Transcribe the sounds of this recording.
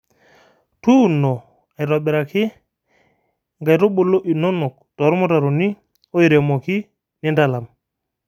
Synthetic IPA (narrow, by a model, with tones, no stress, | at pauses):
tu˦no˨ | a˨jɾa˨ɓi˨ɾa˨ki˦ | ŋɡa˨jɾo˦ɓo˨lo˦ʔi˨no˦nɔ˨k̚ | tɔ˨ɾmo˦ta˨ɾo˨ni˦ | o˦i˨ɾe˨mo˨ki˦ | ni˦nda˨la˨m